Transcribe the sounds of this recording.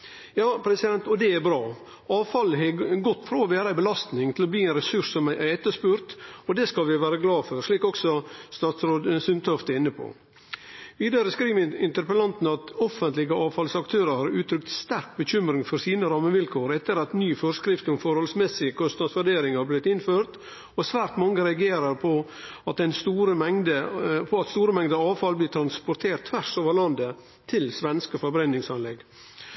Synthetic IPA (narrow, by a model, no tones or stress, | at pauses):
jɑːpʰɾɛsɪd̪ɛnt̪ɔd̪ɛæɾbɾɑː | ɑːʋfɑlːəɦɛɡɔt̪ːfɾɑːɔʋæːɾɑæɪbəlɑst̪nɪŋt̪ʰɪlɔbliːɛnɾɛsʉʂsɔmʔæɛt̪ːəʂpʉːɾt̪ɔd̪ɛskɑlʋɪʋæːɾəɡlɑːfɔɾʂɭiːkɔksɔst̪ɑːt̪sɾoːd̪sʏnt̪ʰɔft̪əɪnːəpʰo̰ | ʋiːd̪ɑɾəskɾiːʋɪnt̪əɾpəlɑnt̪n̩ɑt̪ɔfənt̪lɪɡəɑːʋfɑlsɑkt̪ʰøːɾəɾhɑɾʉːt̪ʰɾʏk̚t̪st̪æɾk̚bəçʏmɾɪŋfɔɾsiːnəɾɑmːəʋɪlkʰoːɾɛt̪ːəɾɑt̪nyːfɔɾskɾɪft̪ʊmfɔɾhɔlsmɛsɪəkʰɔst̪ɑsʋæɖeːɾɪŋhɑblɪt̪ːɪnføːɾt̪ | ɔsʋæːɾt̪mɑŋəɾɛɑɡeːɾəɾpʰɔ | ɑt̪ɛnst̪uːɾəmɛŋd̪əpʰɔɑt̪st̪uːɾəmɛŋd̪əɑːʋfɑlblɪːt̪ʰɾɑnspɔɾt̪ʰeːɾʈt̪ʰːʋæʂoːʋəɾɭɑnd̪ə | t̪ʰɪlsʋɛnskəfɔɾbɾɛnːɪŋsɑnlɛɡ